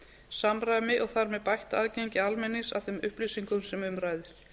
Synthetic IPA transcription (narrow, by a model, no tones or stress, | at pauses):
samɾajmɪʔɔɣθaɾmɛðpajht̪aðcejɲcɪalmɛnːisa̰ð̥θɛmʏhplisiŋkʏmsɛmʏmɾaːjðɪɾ̥